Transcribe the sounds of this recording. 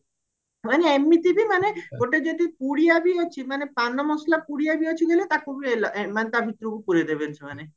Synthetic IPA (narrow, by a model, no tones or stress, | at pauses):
maneemːit̪ibimaneɡoʈed͡ʒot̪ipuɽijabiɔt͡ʃʰimanepanɔmɔslapuɽiabiɔt͡ʃʰiɡelet̪akubielɔemanet̪abʱit̪ːɾukupuɾed̪ebent͡ʃʰumane